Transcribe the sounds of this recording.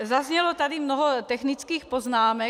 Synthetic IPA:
zazɲɛlɔt̪ad̪imnɔɦɔt̪ɛxnit͡skiːxpɔznaːmɛ

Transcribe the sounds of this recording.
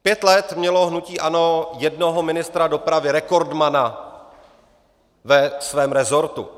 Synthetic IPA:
pjɛt̪lɛt̪mɲɛlo̞ɦnuciːʔano̞jɛdno̞ɦomɪnɪst̪ɾado̞pɾavɪɾɛko̞ɾdmana | vɛsvɛːmɾɛzo̞ɾt̪ṵ

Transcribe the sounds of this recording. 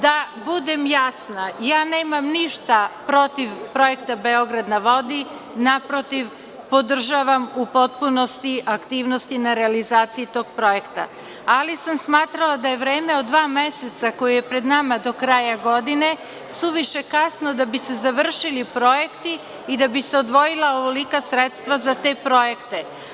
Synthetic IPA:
d̪a | bud̪emjasnajaːneːmamniʃt̪apɾo̞t̪iʋpɾo̞je̞kt̪abe̞o̞ɡɾad̪naʋo̞d̪i | napɾot̪iʋ | po̞d̪r̩ʒaʋamupo̞t̪̚puno̞st̪iʔakt̪iːʋno̞st̪inaɾealizaːt̪sijit̪o̞ːɡ̥̚pɾo̞je̞kt̪a̰ | alisamsmaːt̪ɾalad̪aje̞ʋɾe̞ːme̞od̪ːʋaːme̞set̪sako̞juje̞pɾe̞d̪namad̪o̞kɾajaɡo̞d̪ine̞ | suʋiʃe̞kasnod̪abise̞zaʋr̩ʃilipɾo̞je̞kt̪iː | d̪abise̞o̞d̪ʋo̞jilˠaoʋolikasɾet̪st̪ʋazat̪e̞ːpɾo̞je̞kt̪e̞

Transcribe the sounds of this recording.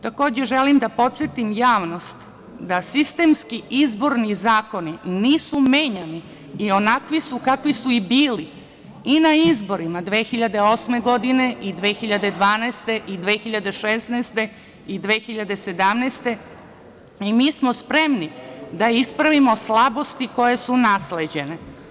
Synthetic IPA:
t̪ako̞ːd͡ʑe̞ʒelimd̪apo̞t̪sjet̪imjaːʋno̞st̪ | d̪asist̪e̞ːmskiʔizboɾnizaːko̞niniːsumeːɲaniː | o̞nakʋisukakʋisuibiːli | inaizbo̞ɾimad̪ʋe̞ːxiʎad̪e̞o̞ːsme̞ɡo̞d̪ine̞ʔid̪ʋeːxiʎad̪e̞d̪ʋaːnɛːst̪e̞ʔid̪ʋeːxiʎad̪e̞ʃesnɛːst̪e̞ | id̪ʋeːxiʎad̪e̞se̞d̪amneːst̪e̞ | imiːsmo̞spɾe̞mnid̪aispɾaʋimo̞slˠabo̞st̪iko̞je̞sunasled͡ʑe̞ne̞

